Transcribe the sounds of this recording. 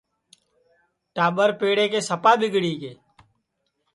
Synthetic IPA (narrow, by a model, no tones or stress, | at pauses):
ʈaːbəɾpeːɽekesəpaːbɪɡɽiːkeː